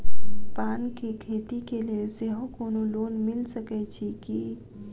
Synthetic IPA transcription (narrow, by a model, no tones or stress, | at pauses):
paːnkikʰeːt̪ikelieseɦõkoːnoloːnmɪlsəket͡ʃʰiki